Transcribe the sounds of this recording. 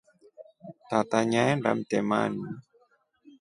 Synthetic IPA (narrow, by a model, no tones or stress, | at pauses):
t̪at̪aɲanda̰mt̪ɛma̰ni